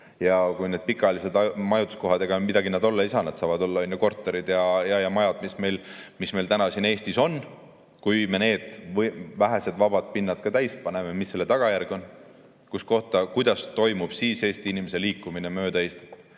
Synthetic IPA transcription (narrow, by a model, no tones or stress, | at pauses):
jɑkujne̞d̪̥̚pikːˑɑlise̞d̪ɑjmɑjut̪u̥sko̞ɦɑd̪eɡ̥ɑmid̪ɑɡined̪o̞lːɑisɑnɑd̪̥sɑːvɑd̪o̞lːɑonjoko̞rt̪ːˑo̞ɾid̪̥jɑjɑjɑmɑjɑd̪̥misme̞jlmisme̞jlt̪ænɑsine̞ːst̪iso̞n | kujme̞ne̞ːd̪̥væɦese̞d̪vɑb̥ɑd̪̥pinːɑd̪̥̚kɑt̪æjspɑne̞memisːe̞lːe̞t̪ɑɡ̥ɑjærɡ̥o̞n | kusko̞ht̪ɑkujd̪̥ɑst̪o̞jmub̥siːse̞ːst̪iinimese̞liːkːˑuminemø̞ːd̪ɑeːst̪e̥t̪ː